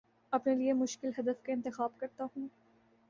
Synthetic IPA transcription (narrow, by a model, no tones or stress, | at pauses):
ɐpneliemʊʃkɪlɦɐd̪əfkeɪ̃nt̪ɪxaːbkɐɾt̪aɦũː